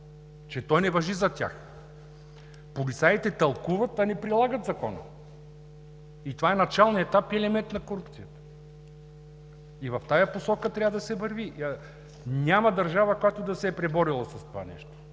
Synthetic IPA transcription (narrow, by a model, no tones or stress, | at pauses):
t͡ʃɛt̪ɔjnɛvɐʒizɐt̪ʲa̰x | polisait̪ɛt̪ɐlˠkuvɐt̪ɐnɛpɾilˠaɡət̪zɐkɔnə̰ | it̪ovaɛnɐt͡ʃalˠniɛt̪apiɛlɛmɛnt̪nɐkoɾupt̪sijət̪ə̥ | ivɐft̪ajɐposɔkət̪ɾʲavəd̪ɐsɛvɐɾvi | nʲamɐd̪ɐɾʒavɐkojat̪od̪ɐsɛːpɾɛbɔɾilˠɐsɐst̪ova̰nɛ̰ʃt̪o̥